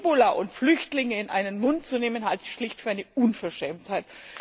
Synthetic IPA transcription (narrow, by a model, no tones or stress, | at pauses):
bolaʔʊntflʏçtlɪŋəɪnʔa̰ɪnənmʊntt͡suneːmənɦaltɪçʃlɪçtfyːɐaɪnəʔunfɛɐʃɛːmthaɪt